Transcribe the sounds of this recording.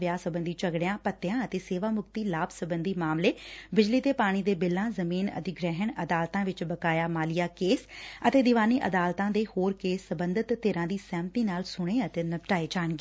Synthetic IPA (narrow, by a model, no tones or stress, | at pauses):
ʋjaːsəbə̃nd̪iːt͡ʃəɡɽjãːpət̪ːɪjãːət̪eːseːʋaːmʊkt̪iːlaːbsəbənd̪iːmaːmleːbɪd͡ʒliːt̪eːpaːɽ̃iːd̪eːbɪlːãːzəmiːnə̰t̪iɡɾɛːɦəɳəd̪aːlt̪ãːʋɪt͡ʃbəkaːjaːmaːlɪjaːkeːsət̪eːd̪ɪʋaːniːʔəd̪aːlt̪ãːd̪eːhoːɾkeːsːəbə̃nd̪ət̪ːeːɾãːd̪iːsɛ̃ːmt̪iːnaːlsʊɽ̃eːət̪eːnəpʈaːeːd͡ʒaːnɡeː